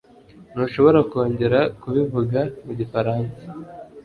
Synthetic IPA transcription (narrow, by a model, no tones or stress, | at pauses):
nuːʃo̞βo̞ɾako̞ːɲɟe̞ɾakuβivuɡamuɟifaɾaːnsḁ